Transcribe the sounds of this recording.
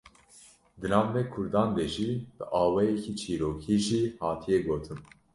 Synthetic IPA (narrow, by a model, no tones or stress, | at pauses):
d̪ɨlɑːnd̪ɛkʰʊɾd̪ɑːnd̪ɛʒib̥ɨʔɑːwɛjɛcʰit͡ʃʰiːɾoːkʰiːʒiːhɑːt̪ʰijɛɡoːt̪ʰɨm